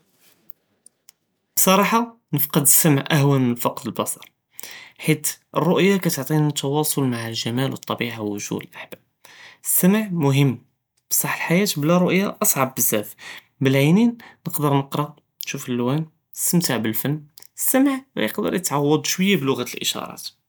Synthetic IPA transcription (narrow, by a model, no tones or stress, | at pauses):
bsˤɑɾˤɑħɑ | nəfqəd̪əsːæmʕʔæhwænfɑqd̪əlbɑsˤɑɾˤ | ħit̪ʔə̰rˤːʊʔjakæt̪əʕt̪ˤinət̪ʰːɑwɑsˤʊlmaʕəlʒæmælwət̪ˤːɑbiʕawʊʒṵd̪əlʔaħbæb̚ | əsːæməʕmʊɦəmː | bsˤɑħːəlħajæt̪blæɾˤʊʔjːaʔɑsˤʕɑbːəzːæf | bəlʕininːəqd̪əɾˤnəqɾɑ | nʃufəlːwæn | əst̪əmt̪əʕbəlfənːəsːæmʕmæ̰jəqd̪ə̰ɾˤjət̪ʕɑwːɑd̪ˤʃwəjːablʊɣæt̪əlʔə̰ʃɑ̰ɾˤɑ̰t̪